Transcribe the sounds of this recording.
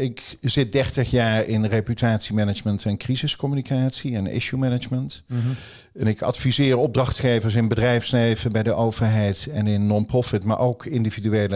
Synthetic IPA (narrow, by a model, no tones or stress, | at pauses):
ɪk | z̥ɪt̚dɛɹtəχjaːɹɪnrejpytaːtsimɛnəməntɛnkrizɪskɔmynikaːtsiɛnɪ̰ʃumɛnəd͡ʒmənt | ɛnɪkʰɑ̰tfizɪːɹɔb̚drɑχtχejvəɹs̬ɪnbədrɛjfslejvəbɛjdəʔowv̥əɹɦɛjtɛnɪnːɔnprɔfɪtma̰ːɹʔowkʰɪndividyejlə